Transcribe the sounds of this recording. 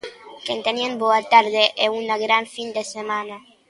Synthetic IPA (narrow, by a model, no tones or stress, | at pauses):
kent̪enienboat̪aɾðeʔeunaɣɾaɱfind̪esemana